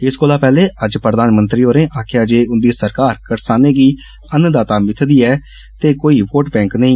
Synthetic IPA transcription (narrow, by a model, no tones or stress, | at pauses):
ɪskoːlaːpɛːleːʔəd͡ʒpɾəd̪aːnmənt̪ɾiːoːɾẽːʔaːkʰɪjaːd͡ʒeːʊnd̪iːsəɾkaːɾkəɾsaːneːɡiː | ənd̪aːt̪aːmɪt̪ʰd̪iːɛː | t̪eːkoːiːʋoːʈbɛ̃ːŋknəĩː